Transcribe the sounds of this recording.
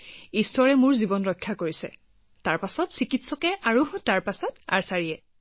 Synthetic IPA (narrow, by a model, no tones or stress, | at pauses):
istɔɹɛmʊɹzibɔnɹɔjkʰːakoɹisɛ̰ | taɹpasɔtsikitsɔkɛʔaɹutaɹpasɔta̰ɹsaɹiɛ